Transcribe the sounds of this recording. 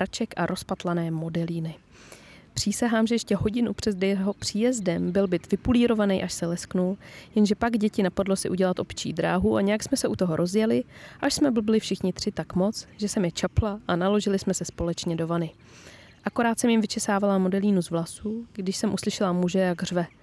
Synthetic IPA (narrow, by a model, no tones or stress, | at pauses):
at͡ʃɛkʔaɾʔo̞spat̪lanɛːmo̞dɛliːnɪ | pr̥iːsaɦaːmʒɛjɛʃcɛɦo̞ɟɪnupr̥ɛzdɛjɦopr̝̥iːjɛzdɛmbɪlbɪt̪vɪpuliːɾo̞vanɛjʔaʃsɛlɛsknuljɛnʒɛpaɡɟɛcɪnapadlo̞sɪʔuɟɛlat̪ʔo̞pt͡ʃḭːdɾa̰ːɦuʔaɲɛjaksmɛsɛʔut̪o̞ɦo̞ɾʔo̞zjɛlɪʔaʃsmɛbl̩blɪfʃɪxɲɪt̪r̥ɪt̪akmo̞t͡sʒɛsɛmjɛt͡ʃaplaʔanalo̞ʒɪlɪsmɛsɛspo̞lɛt͡ʃɲɛdo̞vanɪ | ʔako̞ɾaːt̪sɛmjɪmvɪt͡ʃɛsaːvalamo̞dɛliːnuzvlasuɡdɪʃsɛmʔuslɪʃɛlamuʒɛjaɡr̝vɛ